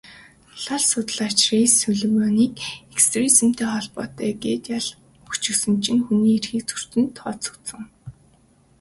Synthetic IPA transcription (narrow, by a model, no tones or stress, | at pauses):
ɮɔɮsʊt̪ə̆ɮat͡ɕriːsɵɮɵ̆mɔːniːkekst̪risɘ̆m̥t̪ʰeːχɔɮpɔːt̪œːɡeːt̪jaɮ | ut͡ɕɵ̆sɘ̆mt͡ɕʰɪ̆ŋxuniːerxiːk̚t͡sʰɵ̥r̥t̪ɘ̆nt̪ʰːɔːsu̥t͡st͡sə̆ŋ